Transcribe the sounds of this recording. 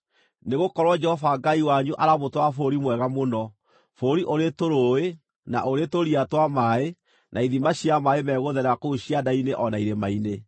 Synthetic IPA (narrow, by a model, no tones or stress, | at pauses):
neɣokɔɾwɔd͡ʒɛhɔfaɡaiwaɲuʔaɾamotwafoɾimwɛɣamonɔ | foɾiʔoɾetoɾoe | na̰ʔoɾetoɾiatwamae | naiðimaɕiamaemɛːɣoðɛɾakouɕiadaineʔɔnaiɾemaine